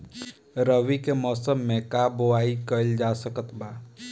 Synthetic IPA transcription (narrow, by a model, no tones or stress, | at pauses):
ɾəʋikemɔːsəmːẽkaːboaːikəld͡ʒaːsəkət̪baː